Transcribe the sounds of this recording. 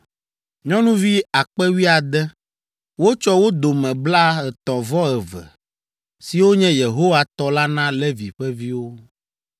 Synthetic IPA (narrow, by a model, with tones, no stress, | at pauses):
ɲɔ̃˦nũ˦vi˦a˨k͡pɛ˦wi˦a˨d̪ɛ˦ | wo˦t͡ʃɔ˦wo˦d̪o˨mɛ̃˨bla˦ɛ˨t̪ɔ̃˨vɔ˦ɛ˨vɛ̰˨ | si˨wo˦ɲɛ̃˦je˨ɦo˦wa˦t̪ɔ˦la˦nã˦lɛ˦vi˨ɸɛ˦vi˦wo˦